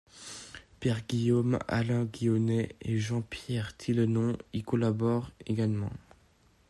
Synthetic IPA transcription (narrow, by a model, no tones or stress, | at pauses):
pɛʁɡʲijoma̰lɛ̃ɡʲijɔnɛeʒɑ̃pjɛʁt̪ʰilənɔ̃ikɔlabɔʁeɡalmɑ̰̃